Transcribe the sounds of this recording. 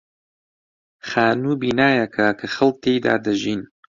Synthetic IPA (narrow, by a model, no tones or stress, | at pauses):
xaːnuːbiːnaːjɐkʰakʰɐxɐl̚ˠt̪ʰːeːjd̪a̰ːd̪ɐʒiːn